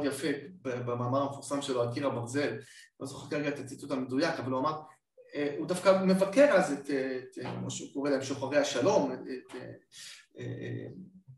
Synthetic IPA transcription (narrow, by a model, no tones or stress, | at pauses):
djafebebemaːmaʁamefuʁsamʃeloakiʁhabaʁze̞llozoχekaʁeɡaet̪ʰat͡sit͡suthamedujakavaluamaʁ | eud̪afkame̞vakeʁazetːtkmoʃeuko̞ʁelaemʃoχaʁeaʃalo̞meete | ḛḛm